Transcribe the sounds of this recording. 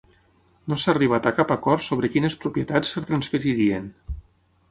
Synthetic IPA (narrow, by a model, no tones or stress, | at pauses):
nosaːriβ̞at̪akapakɔɾt̪soβ̞ɾəkinəspɾupjet̪at͡sːət̪ɾansfəɾiɾien